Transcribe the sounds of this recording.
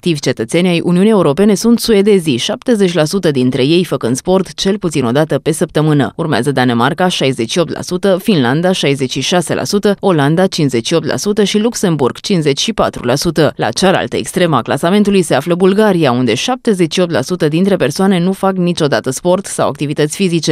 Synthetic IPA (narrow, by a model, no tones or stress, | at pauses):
ak̚t̪ivʲt͡ʃe̞t̪ət̪se̞nʲajʔuniunie̞uɾo̞pe̞ne̞sunt̪sued̪e̞ziʃap̚t̪e̞ze̞t͡ʃʲlasut̪əd̪int̪ɾe̞je̞jfəkɨnd̪spo̞rt̪t͡ʃe̞lput̪sino̞d̪at̪əpe̞səp̚t̪əmɨnə̰urmea̰zəd̪ane̞markaʃajze̞t͡ʃʃio̞p̚t̪lʔa̰sut̪əfinland̪aʃajze̞t͡ʃʃiʃase̞̰lʔa̰sut̪əo̞land̪at͡ʃinsze̞t͡ʃʃio̞p̚t̪la̰sut̪əʃilukse̞mburɡ̥t͡ʃinsze̞t͡ʃʲʃipat̪ɾṵlasut̪əla̰t͡ʃala̰lt̪əe̞kst̪ɾe̞ma̰kla̰same̞nt̪ulujse̞afləbulɡaɾiaund̪e̞ʃap̚t̪e̞ze̞t͡ʃʃio̞p̚t̪la̰sut̪əd̪int̪ɾe̞pe̞rsoane̞nufaknit͡ʃo̞d̪at̪əspo̞rt̪sa̰wa̰k̚t̪ivit̪ət̪sʲfizit͡ʃe